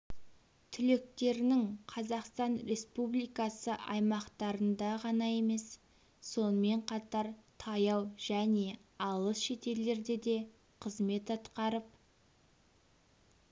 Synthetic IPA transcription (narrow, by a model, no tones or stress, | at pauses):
t̪ʰʏle̞k̚t̪e̞ɾɪnɪŋqʰɑzɑqst̪ɑnɾe̞spublˠijkɑsəʔɑjmɑqt̪ɑɾənd̪ɑʁɑnɑje̞me̞s | so̞nəme̞ɴqʰɑt̪ɑɾt̪ʰɑjɑwʒ̥æne̞ | ɑlˠəsʃe̞t̪e̞ɾle̞ɾd̪e̞d̪e̞ | qʰəzme̞t̪ɑt̪qɑɾəp̚